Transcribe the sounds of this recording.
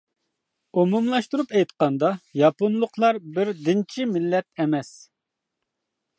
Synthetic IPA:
umumlˠɑʃt̪uɾupɛjt̪qɑnd̪ɑjɑponlˠʊqʰlˠɑɾbɪɾd̪ɪnt͡ʃʰimɪlːɛt̪̚ɛmɛs

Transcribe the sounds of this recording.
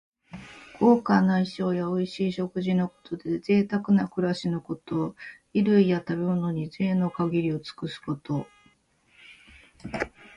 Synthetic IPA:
ɡ̥o̞ːkanaiɕo̞ːjaoiɕiːɕo̞kɯ̟ʑino̞ko̞̥t̪o̞d̪e̞ze̞ːt̪akɯ̟nakɯ̟ɾaɕino̞ko̞t̪o̞ | iɾɯ̟ijat̪abe̞mono̞ɲ̟ize̞ːno̞kaɡʲiɾʲio̞t͡sɨ̥kɯ̟sɨ̥ko̞t̪o̞

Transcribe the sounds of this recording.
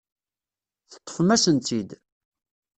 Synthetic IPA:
θə̥t̪ˤːə̥fmæsənt̪id̪

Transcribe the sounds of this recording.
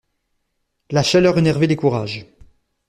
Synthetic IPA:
laʃalœʁenɛʁvelekuʁaːʒ

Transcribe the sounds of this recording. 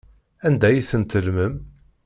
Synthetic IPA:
ænd̪æjiθənt̪əlməm

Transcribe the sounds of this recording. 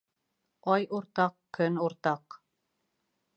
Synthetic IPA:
ɑjuɾt̪ɑqkɵnuɾt̪ɑq

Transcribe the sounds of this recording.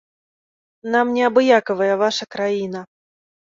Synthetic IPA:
namnʲɛabɨjakɐvɐjɐvaʂɐkɾajinɐ

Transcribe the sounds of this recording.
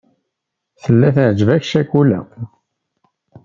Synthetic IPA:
θəlːæθʕd͡ʒəvæçʃækulæ̰

